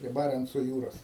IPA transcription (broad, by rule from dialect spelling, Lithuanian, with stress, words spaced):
pʲrʲiɛ ˈbɑːrʲɛnt͡soː ˈjuːroːs